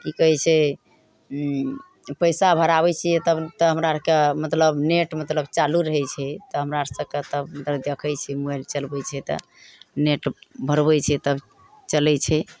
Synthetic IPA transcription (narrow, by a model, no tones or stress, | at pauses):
kikəɦɛt͡ʃʰɛ | pəjsabʱəɾaβɛt͡ʃʰijɛt̪əbt̪əɦəmɾaɾkemət̪ləbneʈmət̪ləbt͡ʃaluɾəɦɛt͡ʃʰɛt̪ɔɦəmɾaɾsəkət̪əbmət̪ləbd̪ekʰəjt͡ʃʰɛmuɛlt͡ʃəlbɛt͡ʃʰɛt̪ɔ̰ | neʈbʱəɾbɛt͡ʃʰɛt̪əb | t͡ʃəlɛt͡ʃʰɛ